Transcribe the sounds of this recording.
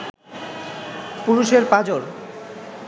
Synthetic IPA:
puɾuʃeɾpad͡ʑoɾ

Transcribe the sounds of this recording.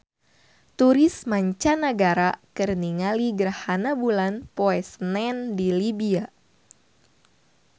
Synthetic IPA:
t̪uɾɪsmaɲt͡ʃanəɡaɾakərniŋaliɡəɾahanabulanpoɛsnɛndilibia

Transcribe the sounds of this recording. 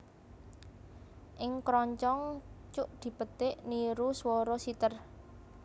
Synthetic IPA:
ʔɪŋkɾɔɲt͡ʃɔŋt͡ʃʊʔd̪̥i̤pət̪ɪʔniɾuswɔɾɔsit̪ər

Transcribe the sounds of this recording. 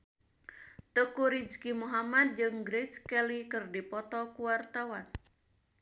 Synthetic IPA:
t̪əkuɾid͡ʒkimuɦamad̪̚d͡ʒɨŋɡɾedskɛlikɨrdipɔt̪ɔkuwart̪awan

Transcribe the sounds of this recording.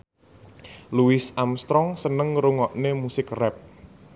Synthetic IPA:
luɪsamst̪ɾɔŋsənəŋɾuŋɔʔnemusɪkrɛp̚

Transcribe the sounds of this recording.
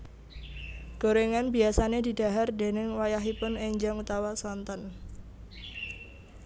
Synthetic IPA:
ɡ̥oɾeŋanbiasaned̪i̤d̥a̤ɦard̪e̤nɪŋwajaɦipʊneɲd͡ʒaŋut̪awasɔnt̪ɔn

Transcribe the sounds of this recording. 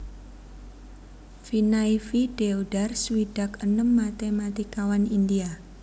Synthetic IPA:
finaifiɖ̥eoɖarswiɖ̥a̤kənəmːat̪emat̪ikawanindia

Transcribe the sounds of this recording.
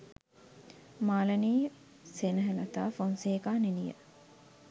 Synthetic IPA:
maːlɐniː | senəɦelɐt̪aːfonseːkaːninijə̰

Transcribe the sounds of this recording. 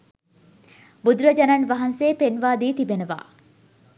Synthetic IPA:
bud̪ɾəd͡ʒɐnanʋɐɦɐnseːpenʋaːd̪iːt̪ibenəʋa̰ː

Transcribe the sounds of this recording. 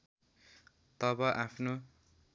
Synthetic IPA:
t̪ʌbʌʔapʰno

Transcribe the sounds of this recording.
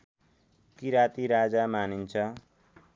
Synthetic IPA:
kiɾat̪iɾad͡zamanint͡sʰʌ

